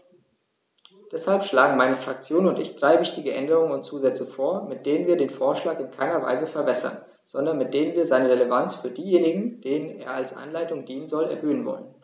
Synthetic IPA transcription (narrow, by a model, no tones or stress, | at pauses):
d̥ɛshalpʃlaːɡŋ̩maɪnəfʁ̥ak̚t͡sjoːnʊntɪ̰çd̥ʁaɪvɪçtɪɡəʔɛndəʁʊŋənʊntt͡suːzɛt͡səfoːɐmɪt̚d̥eːnənviːɐɾeːnfoːɐʃlaːkɪnkʰaɪnɐva̰ɪzəfɛɐbɛsɐ̰n | z̥ɔndɐnmɪt̚d̥eːnənviːɐzaɪnəʁeləvant͡sfyːɐdiːjeːnɪɡŋ̩d̥eːnənḛːɐalsʔa̰nlaɪtʊŋd̥iːnənzɔlɛ̰ɐhøːənvɔ̰lən